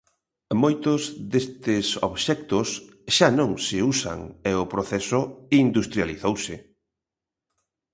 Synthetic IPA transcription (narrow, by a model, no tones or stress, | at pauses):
mojt̪ʊzðest̪ɪsoβʃɛk̚t̪ʊs | ʃanõŋsɪusa̰ŋeʊpɾoθɛsʊind̪ust̪ɾjaliθowsɪ